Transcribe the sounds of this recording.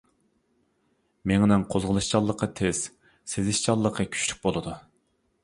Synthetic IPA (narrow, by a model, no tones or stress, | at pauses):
meŋnɪŋqʰozʁəlˠɨʃt͡ʃɑlˠːəqʰɑt̪ʰez̥ | sezɪʃt͡ʃɑlˠːəqʰəkʲʰy̥t͡ʃly̥k̚ʲbolˠɨd̪u